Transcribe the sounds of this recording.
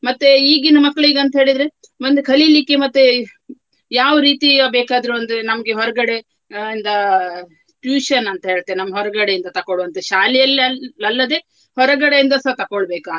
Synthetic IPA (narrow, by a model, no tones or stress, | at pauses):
mɐt̪ːeiːɡinːɐmɐkːɐɭɭiːɡɐnt̪ɐɦeːɭid̪ɾe̞ | mɐnd̪ekʰɐlilikːemɐt̪ːe | jaːʋɾiːt̪ibeːkaːd̪ɾuɐnd̪ɾenɐmɐɡeɦɔɾɐɡɐɽe̞ | ind̪ɐ | ʈjuːʃɐnɐnt̪ɐɦe̞ːɭt̪ːeːnɐmːɐɦɔɾɐɡɐɽejind̪ɐt̪ɐkoɭuʋɐnt̪eʃaːlijɐlɐlːɐd̪e̞ː | hɔɾɐɡɐɽejind̪ɐsɐt̪ɐkoɭbeːka